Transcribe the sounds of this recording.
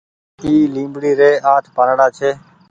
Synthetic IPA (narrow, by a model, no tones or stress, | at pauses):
iːlĩːmbɽiːɾeːʔaːʈ̪ʰpaːɾɽaːt͡ʃʰeː